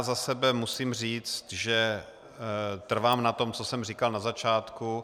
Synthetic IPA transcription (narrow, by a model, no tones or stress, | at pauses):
zasɛbɛmusiːmr̝iːt͡st̪ʒɛ | t̪r̩vaːmnat̪o̞mt͡sosɛmr̝ikalnazat͡ʃaːt̪ku